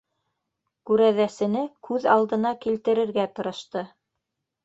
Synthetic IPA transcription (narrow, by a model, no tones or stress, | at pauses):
kʉɾæðæsɘ̆nɘkʰʉðɑlˠd̪ɤ̆nɑkilt̪ɘ̆ɾɘ̆ɾɡæt̪ɤ̆ɾɤ̆ʃt̪ɤ